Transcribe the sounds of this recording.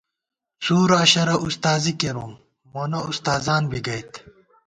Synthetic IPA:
suːɾɐɕɐɾɐʔust̪aːzikeɾuːm | monɐust̪aːzaːnbiɡɐjt̪

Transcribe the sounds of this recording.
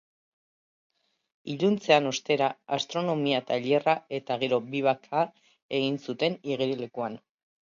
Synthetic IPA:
iʎunt͡se̞ano̞st̪e̞ɾaːst̪ɾo̞no̞miat̪aʎerae̞t̪aɣe̞ɾo̞biβ̞akʰaː | e̞ɣinsut̪e̞niɣ̞iɾele̞kuan

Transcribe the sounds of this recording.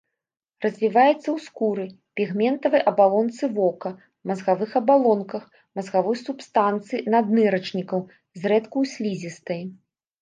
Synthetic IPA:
rɐzʲvʲivajɛt̪sːɐwskuɾɨ | pʲiɣmʲɛnt̪ɐvɨjʔɐbalˠɔnt̪sɨvɔkɐ | mɐzɣavɨxɐbalˠɔnkɐx | mɐzɣavɔjsupst̪ant̪sɨjinad̪nɨɾɐt͡ʂnʲikɐw | zrɛt̪kuwsʲlʲizʲist̪ɐj

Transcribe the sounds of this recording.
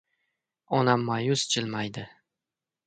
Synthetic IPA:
ɒnamːajʊzt͡ʃʰɪlmajd̪ɪ

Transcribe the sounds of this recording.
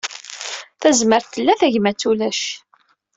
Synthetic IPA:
θæzməɾθəlːæθæʝmæt͡sːulæʃ

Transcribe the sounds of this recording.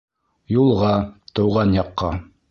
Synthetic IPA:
julˠʁɑt̪ɤ̆wʁɑnjɑqːɑ

